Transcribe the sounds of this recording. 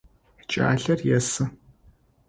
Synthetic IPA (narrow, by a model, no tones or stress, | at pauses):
t͡ʃʼa̰ːɬɐrjɛsɨ